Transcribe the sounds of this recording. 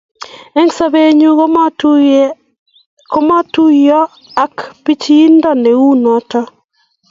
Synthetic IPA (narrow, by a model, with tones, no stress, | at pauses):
e˦ŋsa˦be˦ɲu˦ | ko˦mɔ˦tu˦jɔ˦ | a˦kpi˦t͡ʃi˦i˦ndɔ˦ne˨u˦nɔ˨˦tɔ˦